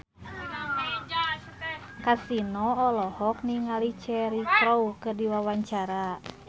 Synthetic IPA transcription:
kasinɔɔlɔhɔk̚niŋalit͡ʃɛɾikɾoukɨrdiwawaɲt͡ʃaɾa

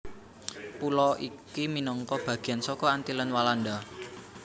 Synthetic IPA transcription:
pulɔikiminɔŋkɔb̥ä̤ɡ̥i̤ansɔkɔant̪ilənwaland̪a

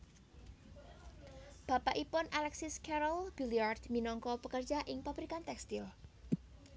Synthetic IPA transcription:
b̥a̤paʔipʊnʔalɛksɪskɛɾɔlb̥ilijard̪minɔŋkɔpəkər̥ʒ̥a̤ʔɪŋpabɾikant̪ɛkst̪ɪl

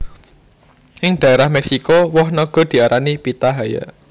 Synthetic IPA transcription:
ʔɪŋɖ̥ä̤eɾahmɛksikɔwɔhnɔɡ̥ɔ̤d̪̥i̤aɾʔanipit̪aɦaja̰

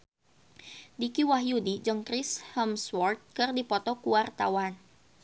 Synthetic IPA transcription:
dikiwaɦjudid͡ʒɨŋkɾɪshəmswɔrt̪̚kɨrdipɔt̪ɔkuwart̪a̰wan

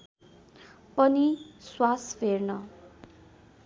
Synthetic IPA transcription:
pʌniswaspʰernʌ

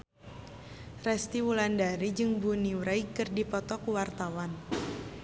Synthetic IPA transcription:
rɛst̪iwulandaɾid͡ʒɨŋbuniwɾaikɨrdipɔt̪ɔkuwart̪awan

